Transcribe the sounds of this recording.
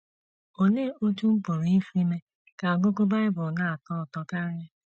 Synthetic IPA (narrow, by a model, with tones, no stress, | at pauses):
o˨ne˦o˦tu˦m̩˦po˨ɾi˨i˦fi˦me˦ | ka˨ɡo˦ko˦ba˦ɪ˦bʊ˨na˦a˨tɔ˦ɔ˨tɔ˦ka˦ɾɪ˦